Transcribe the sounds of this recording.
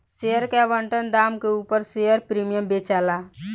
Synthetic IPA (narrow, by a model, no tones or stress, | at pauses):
seəɾkeʋəɳʈənd̪aːmkeuːpəɾsejəɾpɾiːmijəmbeːt͡ʃaːlaː